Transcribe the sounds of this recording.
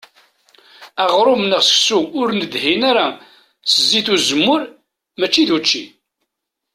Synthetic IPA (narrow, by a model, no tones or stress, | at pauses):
æʁɾˤomnəʁsə̥ksuʊɾnəd̪hinaɾa | səzːiθuzəmːʊɾ | mæt͡ʃːiðut͡ʃːi